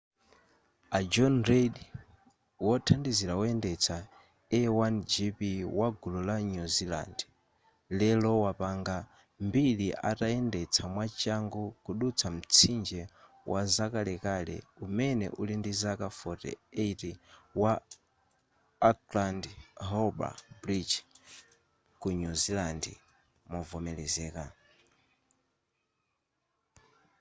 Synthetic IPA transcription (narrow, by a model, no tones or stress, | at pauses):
ad͡ʒɔnɾeɗ | wɔtʰandiziɾaɔɛndɛt͡sʰa | ɛwand͡ʒipiwaɡululaɲuzila̰nd | lɛlɔwapaŋɡa | mbiliʔa̰taɛndɛt͡sʰamwat͡ʃaŋɡɔkuɗut͡sʰam̩t͡sʰind͡ʒɛ | wʔazakalɛkalɛ̰umɛnɛ̰ʔulindizakafɔtɛ̰etiwa | atlandɦɔba̰bɾid͡ʒ | kuɲuzilandḭ | mɔvɔmɛlɛzɛːka